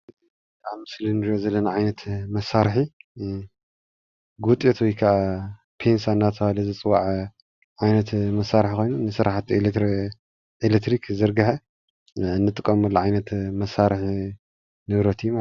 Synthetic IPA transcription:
tamɨslinɨɾiozɐlːɐnaʕajnɐt̪mɐsːaɾħi | ɡut̪ʼjet̪wɔjkʰaʔa | pʰe̞nsaɨnːat̪ʰɐβalɐzɨt͡sʼɨwaʕ | ʕajnɐt̪mɐsːaɾħkʰo̞jnunɨsɨɾaħat̪el | elet̪ɾikʰzɨɾɡɐħe | ɨnːɨt̪ʼɨkʼːɐmɐlːɐʕajnɐt̪mɐsaɾɨħ | nɨβɾɐt̪ʰijma

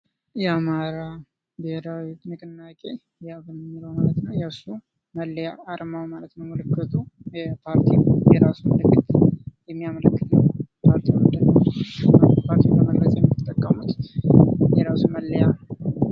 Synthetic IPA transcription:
jɛamaɾa | beheɾawt̪mɨkʼɨnːakʼe̞ | jaβɨnmːɨləwmalət̪nəwjasu | məlːjaːɾmawmalət̪nəwməlɨkːət̪ʰujɛpʰaɾt̪ʰijɛɾasumɨlɨkːɨt̪jɛmːijamələkːɨt̪ʰəwpʰaɾt̪ʰiwənd̪ɨnːə | pʰaɾt̪ʰiləməɡɾət͡ʃʼajɛmːit̪ʼːəkʼːəmut̪ | jɛɾasuməlːja

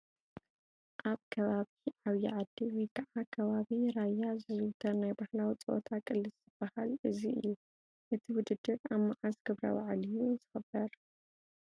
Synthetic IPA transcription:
ʔaβkʰɐβaβiʕaβjiʕad̪ːiwɔjkʰɐʕakʰɐβaβiɾajːazɨzɨwt̪ʰɐnajbahlawit͡sʼɨʔot̪ʰakʼɨlːɨzzɨb̥ːahalɨziɨ̰jːu | ʔɨt̪ʰiwʊd̪ɨd̪ːɨɾaβmaʕasɡɨβɾɐ̰wa̰ʕlijunzɨxɐbːɐɾ

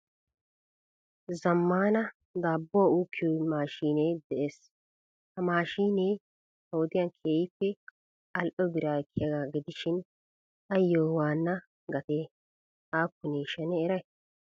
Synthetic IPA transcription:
zɐmːaːnɐ | d̪aːbːɔuːkʰːɪomaːʃiːneːd̪ɛʔeːs | hɐmaːʃiːneː | hwd̪ɪjankʰeːjɪpːɛ | ɐlʔɔbɪɾaːkʰːɪjɐɡaːɡɪd̪ɪʃɪn | ɐjːoːwaːnːɐ | ɡɐt̪eː | aːkːʊneːʃɛnɛːɾɐj

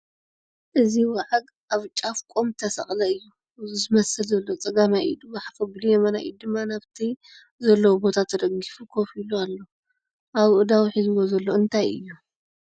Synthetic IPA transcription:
ʔɨziwaʕaɡ | ʔaβt͡ʃʼafkʼomt̪ʰɐsɐ̰χʼlɐɨjːu | zɨmɐsɨlzɐlːot͡sʼɐɡamaʔḭd̪ɨmaħafɐɡlujɛmɐnaj̰jud̪ɨmːanaβt̪ʰi | zɐlːɐwbo̞t̪ʰat̪ʰɐd̪ɐɡifukʰo̞filualːo | ʔaβʔɨd̪awiħizwozɐlːo̞ɨnt̪ʰajɨ̰jːu

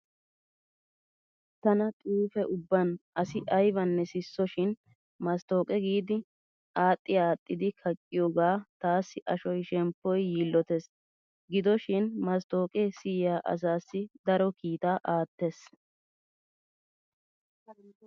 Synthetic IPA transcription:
t̪ɐnɐt̪ʼuːfɛʔʊbːɐnʔɐsɪʔɐjbɐnːɛsɪsːɔʃɪn | mɐst̪o̞ːkʼɛɡiːd̪ɪ | aːt̪ʼːɪaːt̪ʼːɪd̪ɪkʰɐkʼːɪjoːɡaːt̪aːsːɪʔɐʃɔjʃɛmpːɔjːiːlːɔt̪ɛs | ɡɪd̪ɔʃɪnmɐst̪o̞ːkʼɛsɪjjaːʔɐ̰s̬aːsːɪd̪ɐɾɔkiːt̪aːʔaːt̪ːes

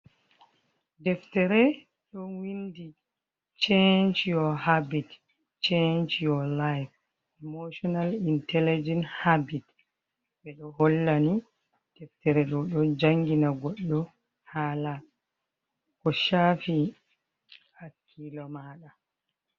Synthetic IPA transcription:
dɛftɛɾɛ | ɗɔwindi | t͡ʃɛnt͡ʃjɔhabit | t͡ʃɛnt͡ʃjɔlajf | ɛmoʃɔnalintɛlid͡ʒɛnhabit | ɓɛɗɔhɔlːani | d̥ɛftɛɾɛɗɔɗɔd͡ʒaŋɡinaɡɔɗːɔ | hala | kɔʃafi | hakʰːilɔmaːɗa

